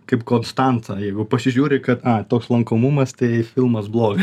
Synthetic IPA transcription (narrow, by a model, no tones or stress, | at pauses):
kɐɪpkoːnst̪ɑnt̪ɐjɛɪɡʊpɐsʲɪʒʲuːɾʲɪkɐt̪ɑt̪oːkslˠɐŋkoːmumɐst̪ɐɪfʲɪlˠmɐsblˠoːɡɐ